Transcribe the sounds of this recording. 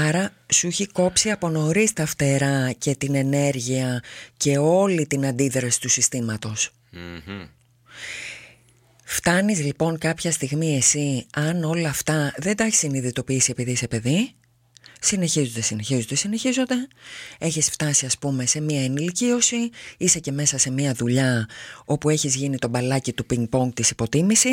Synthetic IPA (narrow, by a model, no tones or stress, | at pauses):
ɐɾɐsuiçiko̞psiɐpo̞no̞ɾist̪ɐft̪e̞ɾɐce̞t̪ine̞ne̞ɾʝiɐce̞o̞lit̪inɐnd̪iðɾɐsi̥t̪usist̪imɐt̪o̞s | ft̪ɐnizlipo̞ŋkɐpçɐst̪iɣmie̞siɐno̞lɐːft̪ɐðe̞nd̪ɐeçi̥siniðit̪o̞piisiepiðise̞pe̞ði | sine̞çizo̞nd̪e̞sine̞çizo̞nd̪e̞sine̞çizo̞nd̪e̞e̞çisft̪ɐsiɐspume̞se̞miɐenilicio̞siise̞ce̞me̞sɐse̞miɐðuʎɐo̞pue̞çizʝinit̪o̞bɐlɐcit̪upiŋɡ̚poŋɡ̚t̪isipo̞t̪imisi